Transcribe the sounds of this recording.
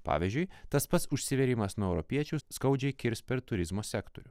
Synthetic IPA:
pɑ̰ːʋʲizʲd͡ʒʲʊɪt̪ɐspɐt̪sʊʃʲsʲɪʋʲɛɾʲiːmɐsnuɔɛʊɾɔpʲiɛt͡ʃʲuʊskɐʊd͡ʒʲɛɪkʲɪɾʲspʲɛɾt̪ʊɾʲɪzmoːsʲɛkt̪o̰ɾʲʊ

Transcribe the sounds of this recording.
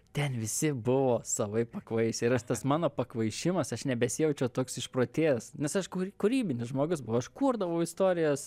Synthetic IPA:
t̪ʲɛnʋʲɪsʲɪbʊʋoːsɐʋɐɪpɐkʋɐɪsʲɪɾɐʃt̪ɐsmɑːnoːpɐkʋɐɪʃʲɪmɐsɐʃnʲɛbʲɛsʲɪjɛʊt͡ʃʲɛʊt̪oːksɪʃpɾoːt̪ʲeːsnʲɛsɐʃkukʊɾʲiːbʲɪnʲɪsʒmoːɡʊsbʊʋoːɐʃkuːrd̪ɐʋɐʊɪst̪oːɾʲɪjoːs

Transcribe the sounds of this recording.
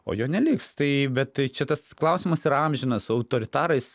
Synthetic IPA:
o̰ːjoːnʲɛlʲiːkst̪ɐɪbʲɛt̪tɐɪt͡ʃʲɛt̪ɐsklˠɐʊsʲɪmɐsiːɾɐɐmʲʒʲɪnɐsɐʊt̪oːɾʲɪt̪ɑːɾɐɪs

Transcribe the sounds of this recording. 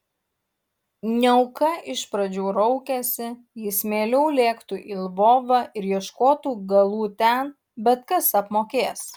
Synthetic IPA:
nʲɛʊkɐʔɪʃpɾɐd͡ʒʲuːɾɔʊkʲɛsʲɪ | jɪsmʲeːlʲɛʊlʲeːkt̪uʔiːlˠʋoːʋɑːʔɪɾjiɛʃkoːt̪uːɡɐlˠuːt̪ʲɛn | bʲɛt̪kɐsɐpmoːkʲeːs

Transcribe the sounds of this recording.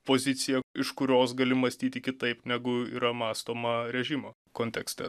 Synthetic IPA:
poːzʲɪt̪sʲɪjɛɪʃkʊɾʲoːs̬ɡɐlʲɪmɐsʲt̪ʲiːt̪ʲɪkʲɪt̪ɐɪpnʲæɡʊḭːɾɐmɑːst̪oːmɐɾʲɛʒʲimɐ | koːnʲt̪ʲɛksʲt̪ʲɛ

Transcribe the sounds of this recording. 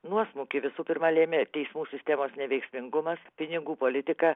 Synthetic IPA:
nuɔsmuːkʲɪʋʲɪsuːpʲɪɾmɐlʲeːmʲeːt̪ʲɛɪsmuːsʲɪsʲt̪ʲɛmoːsnʲɛʋʲɛɪksʲmʲɪŋɡʊmɐspʲɪnʲɪɡuːpoːlʲɪt̪ʲɪkɐː

